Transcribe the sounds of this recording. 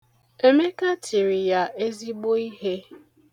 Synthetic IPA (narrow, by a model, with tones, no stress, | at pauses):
e˦me˦ka˦t͡ʃi˨ɾi˨ja˨ʔe˦zi˦ɡ͡bo˦i˦ɦe˦